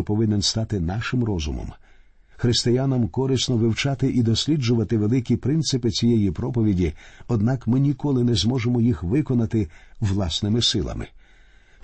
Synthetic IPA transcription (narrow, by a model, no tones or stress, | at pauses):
ɔpɔʋɪnenst̪ɑt̪ɪnɑʃɪmɾɔzʊ̰mɔ̰m | xɾɪst̪ɪjanɐmkɔɾɪsnɔʋɪwt͡ʃɑt̪ɪʔid̪ɔsʲlʲid͡ʒʊʋɐt̪ɪʋelˠɪkʲipɾɪnt̪sɪpɪt͡sʲijɛjipɾɔpɔʋʲidʲiɔd̪nɑkmɪnʲikɔlˠɪnɛzmɔʒemɔjixʋɪkɔnɐt̪ɪwlˠɑsnɪmɪsɪlˠɐ̰mɪ̰